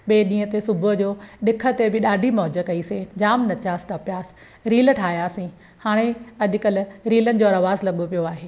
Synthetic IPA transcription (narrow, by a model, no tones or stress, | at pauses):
ɓeːɗĩːɦə̃t̪esʊbəd͡ʑoːɗɪkʰə̆t̪ebɪɗaːɖʱimɔɦd͡ʑəkɐised͡ʑaːmnɐt͡ɕaːsʈɐpjaːs | ɾiːlʈʰaːɦijaːsĩ | haːɽ̃eɐʄʊ̆kɐlɪ̆ɾiːlənɪ̆d͡ʑoːɐɾɐʋaːzlɐɠopijoaːɦeː